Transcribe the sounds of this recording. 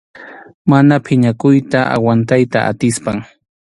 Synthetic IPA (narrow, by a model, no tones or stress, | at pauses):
manapʰɪɲakʊjt̪aa̰want̪ajt̪aʔa̰t̪ɪspaŋ